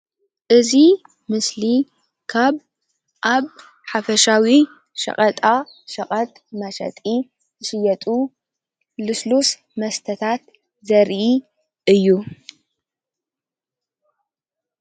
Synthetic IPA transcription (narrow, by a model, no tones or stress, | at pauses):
ʔɨzi | mɨsli | kʰaβ | ʔaβ | ħafɐʃawi | ʃɐ̰χʼɐt̪ʼaʃɐqʼɐt̪̚ʼmɐʃɐ̰t̪ʼi | zɨʃɨjɐt̪ʼu | lɨslus | mɐst̪ʰɐt̪ʰat̪ | zɐɾʔi | ɨjːu